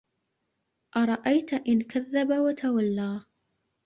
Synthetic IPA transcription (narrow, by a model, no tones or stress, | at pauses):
ʔɑɾˤɑʔajt̪ʔɪnkaðːabawat̪ʰawalːaː